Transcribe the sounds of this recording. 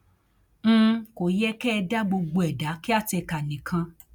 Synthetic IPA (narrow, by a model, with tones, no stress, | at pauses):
ko˨jɛ˦kɛ˦˧da˦ɡ͡bo˧ɡ͡bo˧ɛ˨da˨˦ki˦a˦˨tɛ˧ka˨nĩ˨kʰã˧